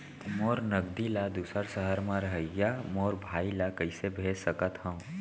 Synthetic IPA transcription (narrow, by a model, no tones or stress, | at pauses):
moːɾnəɡd̪ilad̪usəɾsəɦəɾmãɾəɦəjamoːɾbʱaːilakəɪsebʱeːsəkət̪hə̃